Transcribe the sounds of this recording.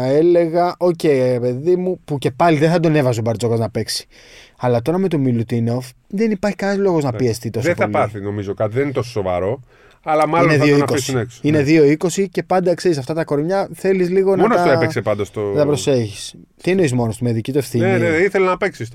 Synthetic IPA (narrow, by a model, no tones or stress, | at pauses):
e̞le̞ɣɐʔo̞ce̞iɾe̞pe̞ðimupuce̞pɐliðeθɐd̪o̞ne̞vɐsobɐɾt͡so̞ɣoznɐpe̞ksi̥ | ɐlɐt̪o̞ɾɐme̞t̪omilut̪inofðenipɐɾçi̥kɐnɐzlo̞ɣo̞znɐpie̞st̪it̪o̞sɐθɐlpɐθino̞mizo̞kɐt̪iðeninet̪o̞soso̞vɐ̰ɾo̞ | ɐlɐmɐloneðioiakoisnekso̥ine̞ðio̞iko̞sice̞pɐnd̪ɐkseɾis̬ɐft̪ɐt̪ɐko̞ɾmɲɐθe̞lizliɣo̞nmonosoepesepɐnd̪ɐst̪oɐt̪ɐpɾo̞seçi̥s | t̪inoizmo̞nost̪imeðicit̪ue̞fθieeiθeleznɐpeksis